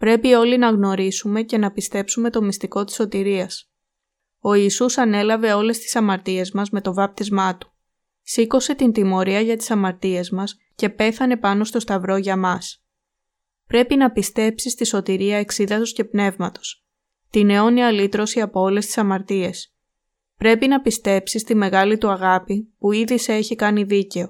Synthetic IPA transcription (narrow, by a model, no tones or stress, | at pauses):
pɾe̞pio̞linɐɣno̞ɾisume̞ce̞nɐpist̪e̞psume̞t̪o̞mist̪iko̞t̪i̥so̞t̪iɾiɐs | o̞isusɐne̞lɐve̞o̞le̞st̪i̥sɐmɐɾt̪ie̞zmɐzme̞t̪o̞vɐp̚t̪izmɐt̪u̥ | siko̞se̞t̪int̪imo̞ɾiɐʝɐt̪i̥sɐmɐɾt̪ie̞zmɐs | ce̞pe̞θɐne̞pɐno̞st̪o̞st̪ɐvɾo̞ʝɐmɐs | pɾe̞pinɐpist̪e̞psist̪iso̞t̪iɾiɐe̞ksiðɐt̪osce̞pne̞vmɐt̪o̞s | t̪ine̞o̞niɐlit̪ɾo̞siɐpo̞o̞le̞st̪i̥sɐmɐɾt̪ie̞s | pɾe̞pinɐpist̪e̞psist̪ime̞ɣɐlit̪uɐɣɐpipuiðise̞çikɐniðice̞o̞